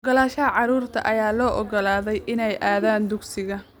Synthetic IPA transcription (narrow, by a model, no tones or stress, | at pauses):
ɔɡɔlaːʃɐɐʕɑɾuːrt̪ʰɐ̰ʔɐjaːlɔːʔɔɡɔlaːðɛjʔɪnɛjʔaːðaːnd̪ʊɡsɪɣɐ